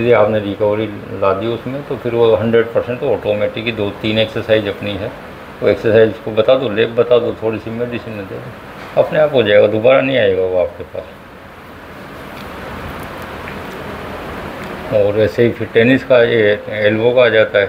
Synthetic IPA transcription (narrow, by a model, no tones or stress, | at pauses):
d̪iaːpneɾɪkəʋɾi | laːd̪iʊsmẽt̪opʰɪɾʋoɦɐ̃ɳɖɾeɖpɐɾsɛ̃ɳʈoɔːʈoːmɛːʈɪkːid̪oːt̪iːneːksəɾsaːɪzɐpniɦɛ | oeksəɾsaːizskobɐt̪aːd̪oleːbɐt̪aːd̪ot̪ʰoːɽisimeɖisimẽd̪ḛːd̪o | ɐpneaːpɦoːd͡ʒaːeɡad̪obaːɾanɐɦĩaːeːɡaʋoaːp̚kepa̰ːs | ɔːɾɛːseɦipʰɪɾʈɛːnɪskajeɛːlbokaaːd͡ʒaːt̪aɦɛ